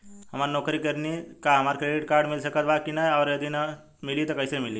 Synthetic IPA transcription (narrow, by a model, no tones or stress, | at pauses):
ɦəmaɾnokɾikəɾnikaɦəmaɾkɾeɖiʈkaɾɖmilsəkət̪bakinaaʊɾjəd̪ina | milit̪ɔkəjsemili